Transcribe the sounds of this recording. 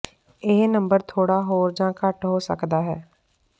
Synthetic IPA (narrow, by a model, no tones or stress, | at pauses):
ɪːnəmbəɾt̪ʰoːɽaːɦoːɾd͡ʒãːkəʈɦoːsə̰kd̪aːɦɛː